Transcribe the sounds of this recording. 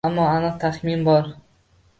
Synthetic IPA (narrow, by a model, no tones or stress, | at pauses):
amːɒanɨq̚t̪ʰaχminbɒɾ